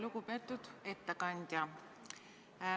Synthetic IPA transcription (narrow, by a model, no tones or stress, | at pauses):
lukupet̪ːut̪et̪ːakɑnʲd̪ʲjɑ